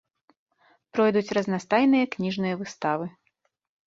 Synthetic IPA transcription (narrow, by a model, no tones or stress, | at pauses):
pɾɔjd̪ut͡sʲrɐznast̪ajnɨjɐknʲiʐnɨjɐvɨst̪avɨ